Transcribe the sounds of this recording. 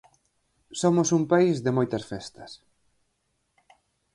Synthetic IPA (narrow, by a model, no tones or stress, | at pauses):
somosumpaizðɪmojt̪ɐsfɛst̪ɐ̥s